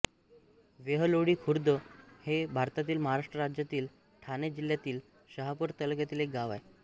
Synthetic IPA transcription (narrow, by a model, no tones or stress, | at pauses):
ʋeɦəloɽiːkʰuɾd̪əhebʱaɾt̪at̪iːlməɦaɾaʂʈɾəɾad͡ʑjat̪iːl | ʈʰaned͡ʑiljat̪iːl | ɕəɦapəɾt̪əlkjat̪iːlek̚ɡaʋa̰j